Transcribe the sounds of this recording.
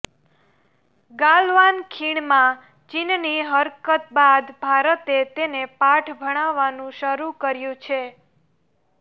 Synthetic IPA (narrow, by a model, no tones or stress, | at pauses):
ɡalʋankʰiɽ̃mã | t͡ʃinniɦəɾkət̪̚bad̪bʱaɾət̪et̪enepaʈʰbʱəɽ̃aʋːanũʃəɾukəɾjũt͡ʃʰe